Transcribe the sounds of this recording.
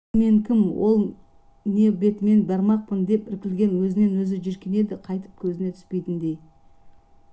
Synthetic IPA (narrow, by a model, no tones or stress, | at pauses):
me̞ŋkʲʰɪmwo̞̰lˠ | ne̞be̞t̪me̞nbæɾmɑq̚pənd̪e̞pɪɾkʲɪlɡʲe̞nwɵzɪne̞nwɵzɪʒʏɾkʲene̞d̪ɪqʰɑjt̪ə̥p̚kʲʰɵzɪne̞t̪ʰʏ̥spe̞jt̪ɪnd̪e̞j